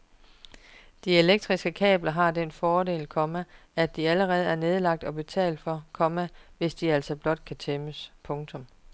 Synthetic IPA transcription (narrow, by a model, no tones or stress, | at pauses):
d̥ie̝leɡ̥̚d̥ʁisɡ̥əkʰɛ̰ːb̥lɐɦɑ̈d̥enfɒːde̝̰ːlkʰɒ̽mææ̥iæləʁɛːð̞̩ˠæɐne̝ð̞ˠlɑ̈ɡ̥̚d̥ɒ̽b̥e̝t͡sʰɛ̰ːld̥fɒ̽kʰɒ̽mæʋe̝sd̥iæl̰sɒ̽b̥lɒ̽d̥̚kʰæt͡sʰeməspʰɔ̽ŋt͡sʰɔ̽m